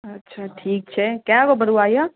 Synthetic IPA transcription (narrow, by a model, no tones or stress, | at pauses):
ɐtːʃʰaʈʰiːk̚t͡ʃʰɛkjaɡobəɾuaːja